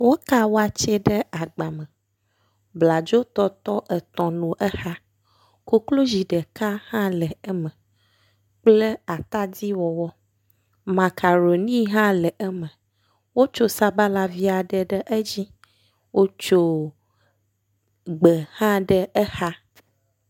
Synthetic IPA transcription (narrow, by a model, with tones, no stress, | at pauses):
wo˦ka˦wo˦a˨t͡ʃe˦ɖɛ˦a˨ɡ͡ba˨mə˨ | bla˨d͡ʒo˦t̪ɔ˦t̪ɔ˦ʔɛ˨t̪ɔ̃˨nũ˨ʔɛ˦ha˦ | ko˦klo˦d͡ʑi˨ɖɛ˨ka˦hã˦lɛ˨ɛ˦mə̃˨ | k͡ple˦a˨t̪a˦d̪i˦wɔ˨wɔ˦ | mã˨kʰa˨ɾo˨nĩ˦ɦã˦lɛ˨ʔɛ˦mə̃˨ | wo˦t͡ʃo˦sa˦ba˦la˨vi˦a˨ɖɛ˨ɖɛ˦ʔɛ˦d͡ʑi˦ | wʔo˦t͡ʃo˦ | ɡ͡bɛ˨hã˦ɖɛ˦ɛ˦ha˦